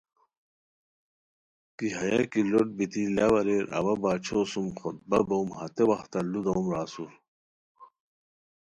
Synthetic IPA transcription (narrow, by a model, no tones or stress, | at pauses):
kiɦɐjakiloʈ̚bit̪ilɐwɐɾeɾɐ̰wɐbaːt͡ɕʰosumxot̪̚bɐbowmhɐt̪ewɐxt̪ɐlud̪oːmɾaːsu